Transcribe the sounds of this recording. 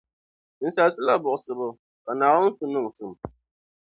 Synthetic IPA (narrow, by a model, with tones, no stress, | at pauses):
n̩˦sa˦lsɨ˦la˦bʊ˨ʔʊ˨sɨ˨bʊ˦ | ka˨naː˨wʊ˦n˦sʊ˨nʊ˦ŋ˨sɨ˨m